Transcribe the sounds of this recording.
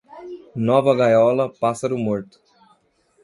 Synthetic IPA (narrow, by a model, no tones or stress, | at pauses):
nɔvɐɡajɔlɐpasɐɾumoɾt̪u̥